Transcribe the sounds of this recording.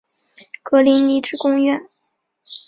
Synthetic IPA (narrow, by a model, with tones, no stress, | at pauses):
kɤ˧˥li˧˥nni˧˥ʈ͡ʂɻ̩˥˧kʊ˥ŋɥɛ˥˩n